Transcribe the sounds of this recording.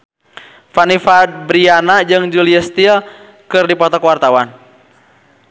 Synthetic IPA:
fanifabɾianad͡ʒɨŋd͡ʒuliɛst̪il | kɨrdipɔt̪ɔkwart̪awan

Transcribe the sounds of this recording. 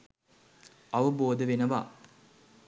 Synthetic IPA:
ɐʋɐboːd̪əʋenəʋa̰

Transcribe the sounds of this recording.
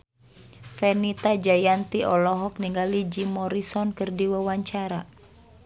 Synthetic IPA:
fɛnit̪ad͡ʒajant̪iʔɔlɔɦɔk̚niŋɡalid͡ʒimɔɾisɔnkɨrdiwawaɲt͡ʃaɾa

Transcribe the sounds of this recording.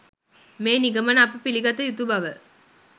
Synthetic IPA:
meːniɡəmənapəpiliɡat̪əjut̪ubaʋə

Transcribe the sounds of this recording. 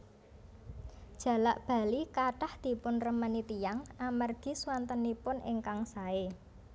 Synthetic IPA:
d̥ʒ̥ä̤laʔb̥a̤likaɖ̥ahd̪̥i̤pʊnrəmənit̪ijaŋamarɡ̥i̤swant̪ənipʊnɪ̰ŋkaŋsae

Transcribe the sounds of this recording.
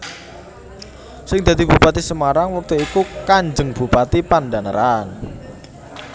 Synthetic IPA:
sɪŋd̪̥ä̤d̪i̤b̥upat̪isəmaɾaŋwɔk̚t̪uikukaɲd͡ʒəŋb̥ṳpat̪ipanɖanəɾan

